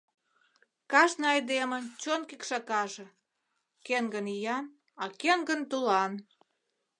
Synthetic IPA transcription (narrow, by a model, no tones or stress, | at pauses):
kɑʃnɑjd̪emə̆t͡ɕonkikʃɑkɑʒĕ | keŋɡənijɑn | ɑkeŋɡənt̪ulɑn